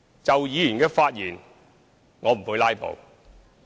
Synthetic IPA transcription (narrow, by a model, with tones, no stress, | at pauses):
t͡sɐ˨wjiː˨˧jyː˨˩nkɛː˧faː˧t̚jiː˨˩n | ŋɔː˨˧m̩˨˩huː˨˧˥laː˥jpo̰˨˧w